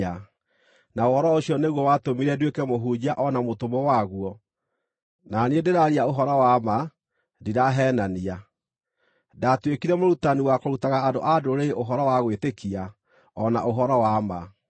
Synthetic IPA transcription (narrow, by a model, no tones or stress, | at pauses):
a | naohɔɾɔoɕiɔneɣwɔwatomiɾɛdwekɛmoɦud͡ʑaʔɔnamotomɔwaɣuɔ | nanedeɾaɾiaoɦɔɾɔwama | diɾaɦɛːnania | datwekiɾɛmoɾutaniwakoɾutaɣaːdoʔadoɾeʔoɦɔɾɔwaɣwetekia | ɔna̰ʔoɦɔɾɔwama̰